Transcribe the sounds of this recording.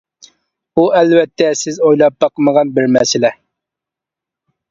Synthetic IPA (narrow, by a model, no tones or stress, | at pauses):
uɛlvɛt̪ʰːɛsɪzojlˠɑp̚bɑqʰəməʁɑnbɪɾmɛsɪlɛ